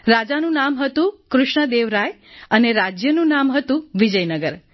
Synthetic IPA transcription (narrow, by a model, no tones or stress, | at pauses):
ɾad͡ʒanũnamɦət̪ũkɾʊʃɳəd̪eʋɾaj | əneɾad͡ʒjənũnamɦət̪ũʋid͡ʒəjnəɡəɾ